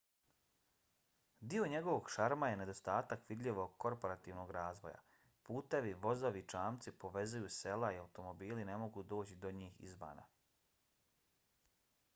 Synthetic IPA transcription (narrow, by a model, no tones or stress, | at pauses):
d̪io̞ɲe̞ɡo̞ʋo̞ɡʃaɾmaje̞ne̞d̪o̞st̪aːt̪akʋid̪ʎʲiʋo̞ɡ̚ko̞ɾpo̞ɾat̪iːʋno̞ɡɾaːzʋo̞̰ja̰ | puːt̪e̞ʋiʋo̞zoʋiːt͡ʃaːmt̪sipo̞ʋe̞zujuse̞laiawt̪o̞mo̞biːline̞mo̞ɡuːd̪o̞ːt͡ɕid̪o̞ɲiːxḭzʋa̰ːna̰